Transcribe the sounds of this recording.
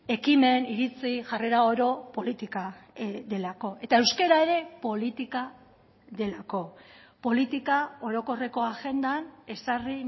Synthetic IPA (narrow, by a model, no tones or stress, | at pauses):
e̞kime̞niɾit͡siʝare̞ɾao̞ɾo̞po̞lit̪ikaðe̞lako̞e̞t̪ae̞wskeɾae̞ɾe̞po̞lit̪ika | ðe̞lako̞ | po̞lit̪ikao̞ɾo̞ko̞re̞ko̞aɣe̞nd̪ane̞sari